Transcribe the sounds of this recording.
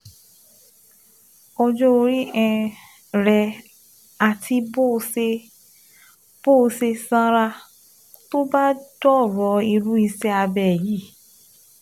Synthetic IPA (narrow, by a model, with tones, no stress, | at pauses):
ɔ˧d͡ʒɔ˦o˧ɾi˦ɛ̃˧ | ɾɛ˧ | a˨tʰi˧bo˦e˧ | b̥o˦˧se˧sã˦ɾa˧ | to˦ba˦dɔ˦˨ɾɔ˨˦i˧ɾu˦i˧sɛ˦a˧bɛ˦˨ji˨˦